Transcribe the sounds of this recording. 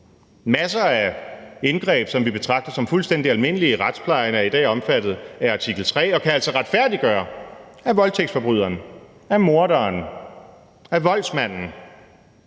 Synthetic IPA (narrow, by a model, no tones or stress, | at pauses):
mæsɐæe̝nɡ̥ʁɛ̰ːb̥sɒ̽mʋib̥e̝t͡sʰʁɑ̈ɡ̥̚d̥ɐsɒ̽mfulsd̥en̰d̥iælme̝nəliʁɑd̥spʰlɑ̈ɪɐnæɐid̥ɛ̰ːɒ̽mfæd̥ð̞̩ˠæɐɑ̈t͡sʰiɡ̥l̩t͡sʰʁɛ̰ːɒ̽kʰææl̰sɒ̽ʁɑd̥fæɐ̰d̥iɡ̥ɶːɐ | æʋɒ̽lt͡sʰeɡ̥sfɒ̽b̥ʁyð̰ˠɐn | æmo̝ɐɾɐːn | æʋɒ̽l̰smæn̰n̩